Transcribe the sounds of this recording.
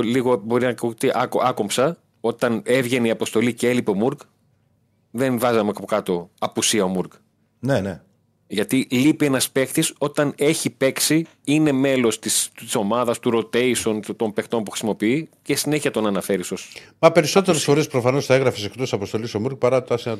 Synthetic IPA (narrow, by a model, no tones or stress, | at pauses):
liɣobo̞ɾinɐkut̪iʔɐkɐko̞mpsɐ | o̞t̪ɐne̞vʝe̞neiɐpo̞st̪o̞liceelipeo̞muɾk | ðenvɐzɐmekɐpokɐt̪o̞ɐpusiɐomuɾk | nene | ʝɐt̪ilipie̞nɐspe̞kt̪iso̞t̪ɐne̞çipe̞ksi | ine̞me̞lo̞st̪isi̥so̞mɐðɐst̪uɾo̞t̪e̞iso̞nt̪o̞mpekt̪o̞mpuxɾisimo̞piicesine̞çiɐt̪o̞nɐnɐfe̞ɾisosmɐpe̞ɾiso̞t̪eɾesfo̞ɾespɾofɐno̞st̪ɐeɣɾɐfesekt̪osisɐpost̪o̞lisomuɾk̚pɐɾɐt̪ɐsɐ